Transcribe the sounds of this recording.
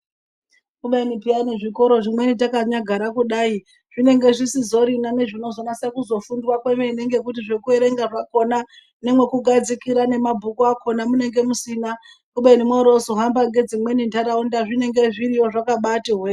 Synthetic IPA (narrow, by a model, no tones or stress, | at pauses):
kuɓainipianeʐiko̞ɾo̞ʐimwe̞nitakaɲaɡʱaɾakuɗaːi | ʐ̥ine̞ŋɡe̞ʐisizo̞ɾinane̞ʐino̞zonasakuzo̞fundwakwemeine̞ŋɡe̞kutiʐe̞kue̞ɾe̞ŋɡaʐako̞na | nemwe̞kuɡʱad͡zikiɾane̞mabʱukuakʰo̞namune̞ŋɡe̞musina | kuɓainimweɾozo̞ɦambaŋɡe̞d͡zimwe̞nindaɾaundaʐine̞ŋɡe̞ʐiɾijo̞ʐakaɓatiɦweːe